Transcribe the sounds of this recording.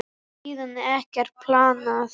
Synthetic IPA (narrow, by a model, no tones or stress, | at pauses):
iːðanːɪɛhcɛɾ̥pʰlaːna